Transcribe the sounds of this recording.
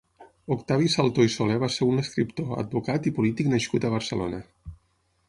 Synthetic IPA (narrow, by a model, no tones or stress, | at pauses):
ukt̪aβisalˠt̪oisoleβaseɾunəskɾipt̪oə̰d̪̚bukat̪ipulit̪iknəʃkut̪əβ̞əɾsə̰lo̰nə